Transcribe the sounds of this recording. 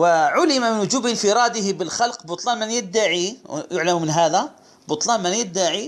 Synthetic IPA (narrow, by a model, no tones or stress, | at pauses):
wəʕʊlɪmamənwd͡ʒubənfəɾˤɑd̪əɦbəlxɑlqbʊt̪ˤlɑnmənjəd̪ːaʕijʊʕləmmənɦæd̪æ | bʊt̪ˤlɑnmənjəd̪ːaʕi